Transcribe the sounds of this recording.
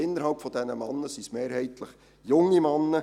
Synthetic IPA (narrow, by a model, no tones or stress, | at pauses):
ɪnːəɾhɑlpfɔd̪ɛnəmɑnːəsismeːɾɦɛɪtʰləχ | jʊŋːimɑnːə